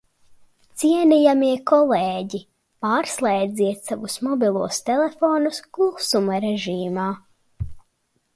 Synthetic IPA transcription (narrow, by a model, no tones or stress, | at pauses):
t̪siɛnijamiɛkɔleːɟi | paːɾslˠeːd̪ziɛt̪savusmɔbʲilˠuɔst̪ɛlefɔːnuskulˠsumaɾɛʒiːmaː